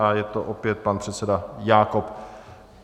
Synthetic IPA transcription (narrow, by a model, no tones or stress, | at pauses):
ajɛt̪oʔopjɛt̪̚panpr̥ɛt̪sɛdajaːkop